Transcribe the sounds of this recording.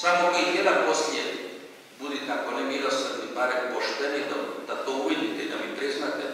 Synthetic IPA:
samokit̪jed̪anposlijḛ | bud̪it̪eakonemilosad̪nibaɾemkoʃt̪enid̪ad̪at̪ouʋid̪it̪ɛid̪amipɾiznat̪e

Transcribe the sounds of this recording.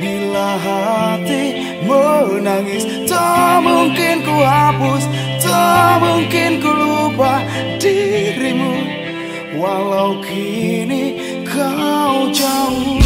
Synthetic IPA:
bilaɦat̪i | mənaŋɪs | təmuŋkɪnkuɦapʊs | təmuŋkɪnkəɾuba | diɾimu | walawkʰi | ni | kaud͡ʒau

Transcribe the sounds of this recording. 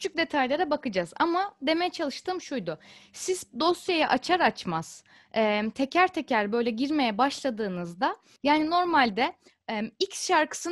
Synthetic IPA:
cʰy̥t͡ʃʰyk̚d̪e̞t̪ʰajlˠaɾabakɯd͡ʒaza̰mad̪e̞me̞jɛt͡ʃʰalˠɯʃt̪ʰɯːmʃujd̪ʊsizd̪o̞sjajaʔat͡ʃʰaɾat͡ʃmaz̥ | ɛmt̪ʰe̞cʰæɾt̪ʰe̞cʰæɾbø̞jlʲɛɟiɾme̞jɛbaʃlˠad̪ɯːnɯzd̪a | jaːnino̞ɾmalʲd̪ɛ | icsʃaɾkʰɯ̥sɯ

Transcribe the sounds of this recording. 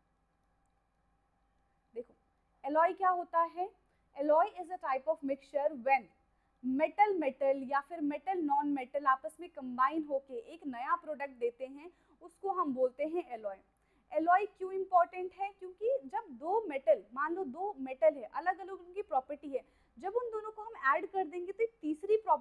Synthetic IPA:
d̪eːkʰoː | ɛlɔːikjaːɦoːt̪aɦɛ | ɛlɔːiɪzəʈaːɪpɔːʋmɪkt͡ʃəɾʋɛn | mɛʈəlmɛʈəljafɪɾmɛʈəlnɔːnmɛʈəlaːpəsmẽkɐ̃mbaːɪ̃nɦoːkeʔeːknɐjapɾɔːɖək̚ʈ̚d̪eːt̪eɦɛ̃ | ʊskoɦɐmboːlt̪eɦɛ̃ʔɛlɔːi | ɛlɔːikjõːɪ̃mpɔːɾʈə̃ɳʈɦɛkjõːkid͡ʒɐb̚d̪oːmɛʈəlmaːnlod̪oːmɛʈəlɦɛ̃ʔɐləɡɐləɡʊnõkipɾɔːpəɾʈiɦɛː | d͡ʒɐbʊnd̪oːnõkoɦɐmɛːɖkɐɾd̪ẽːŋɡet̪oet̪iːsɾipɾɔː

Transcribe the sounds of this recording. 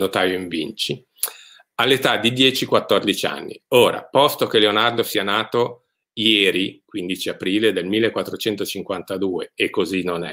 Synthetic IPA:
not̪aːvjoiɱvint͡ʃi | alːet̪ad̪ːid̪jɛːt͡ʃikwat̪ːord̪it͡ʃa̰nːḭoːɾa̰pɔst̪ok̟elːeonard̪osianaːt̪o | jɛːɾikwind̪it͡ʃiapɾiːled̪elmilːekːwat̪ːɾot͡ʃɛnt̪ot͡ʃiŋkwant̪ad̪uːeekːozinonɛ̰

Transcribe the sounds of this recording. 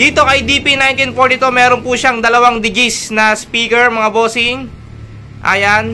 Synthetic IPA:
d̪̥iːt̪o̞kɐjd̪ipinajnt̪ɪnfoɾt̪ɪt̪umɛːɾonpuʃaŋd̪ɐlɐwaŋd̪ɪɡisnɐspiːkɛɹmɐŋabo̞ːsɪŋ | ʔɐjan

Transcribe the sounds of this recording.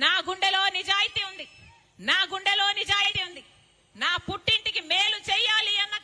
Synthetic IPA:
naːɡuɳɖɐlo̞ːnid͡ʒaːjit̪iːund̪i | naːɡuɳɖɐlo̞ːnid͡ʒaːjit̪iːund̪i | naːpuʈːiɳʈikimeːlut͡ʃɛjaːliɐnːɐ

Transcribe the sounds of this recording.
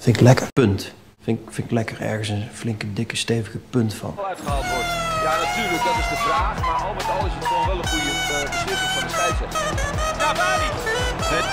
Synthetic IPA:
fɪŋklɛkərpɵnt | fɪŋkfɪŋɪklɛkəɹɛ̰ɹχənsənflɪŋkədɪkəstejvəɣəpɵntfɑ̰nœtχəawɔdjanatyːɹlək̚dɑtɪzdəvraːχmaɑlˠmɛtɑlˠɪsətɔχɛlˠʋɛlˠəχujədəlɪsəɑndəsɛjɛta

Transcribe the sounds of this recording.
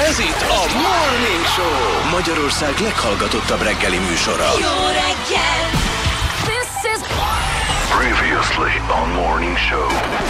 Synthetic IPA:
ɛzit̪ːɒmorniŋkʃoːmɒɟɒɾo̞rsaːɡlɛkhɒlɡɒt̪o̞t̪ːɒbrɛɡːɛlimyːʃo̞ɾɒ̰ɾɛɡːɛ | ðɪs | ɪ | pʰɹiːviəslĩnmɔɹnɪ̃ŋʃoʊ

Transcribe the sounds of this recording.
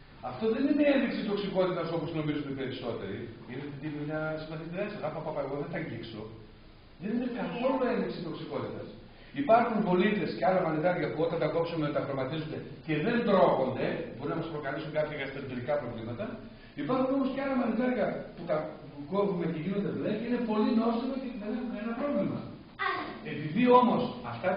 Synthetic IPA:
ɐft̪o̞ðe̞nine̞enðiksit̪o̞ksiko̞t̪it̪ɐso̞post̪ino̞mizund̪epe̞ɾiso̞t̪e̞̰ɾiinet̪ed̪iloɲɐsimɐθit̪eɾesɐɣɐpɐpɐpɐeɣo̞ðet̪ɐɲɟikso̞ | ðeninekɐθoloe̞nðiksit̪o̞ksiko̞t̪it̪ɐs | ipɐɾxunvo̞lit̪e̞sceɐlɐmɐniðɐɾʝɐpuo̞t̪ɐnt̪ɐko̞psumenɐt̪ɐfɾomɐt̪izund̪ece̞ðe̞nd̪ɾo̞xo̞nd̪e̞bo̞ɾunɐmɐspɾo̞kɐlisuŋkɐpçɐɣɐst̪eɾot̪eɾikɐpɾo̞vlimɐt̪ɐ | ipɐɾxuno̞mosceɐlɐmɐniðɐɾʝɐput̪ɐ | ko̞vume̞ceʝinod̪e̞ðileceine̞po̞lino̞simot̪iðenexunenɐpɾo̞vlimɐ̰ | e̞piðio̞mo̞sɐft̪ɐ

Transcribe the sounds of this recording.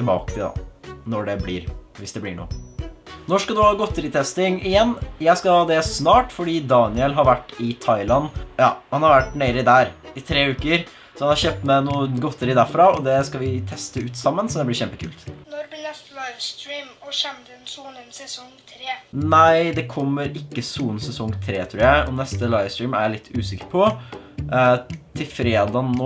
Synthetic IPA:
ɪlbɑ̰ːkət̪ʰɪd̪ɑ̰nɔɖɛblɪ̰ːɾʋɪsd̪ɛblɪ̰ɳṵː | nɔʂkɑd̪ʉhɑːɡɔt̪ːəɾɪt̪ʰɛst̪ɪŋɪjɛnːjæɪskɑhɑːd̪ɛsnɑːʈfɔɖiːd̪ɑːnɪəlɦɑɾʋæʈːɪt̪ʰɑɪlɑnːjɑ̰ːhɑnhɑɾʋæʈːneːɾəɪd̪æːɾɪt̪ʰɾeːʉːkəɾ | sɔhɑnhɑɾçøːp̚t̪mɛnuːəɡɔt̪ːəɾəd̪æɾfɾɑɔd̪ɛskɑʋɪt̪ʰɛst̪əʉːt̪sɑmːənsɔd̪ɛblɪɾçɛmpəkʰʉ̰ːlt̪nɔɾbnɛst̪lɑɪʋst̪ɾiːmɔɕɛmd̪ənsuːnənsɛsɔŋt̪ʰɾeːnæɪd̪ɛkʰɔmːəɾɪkːəsuːənsɛsɔŋt̪ʰɾeːt̪ʰɾuːjæɪʔɔnɛst̪əlɑɪʋst̪ɹiːmæɭɪt̪ʰːʉːsɪkəɾpʰɔ | t̪ʰɪlfɾeːd̪ɑnoː

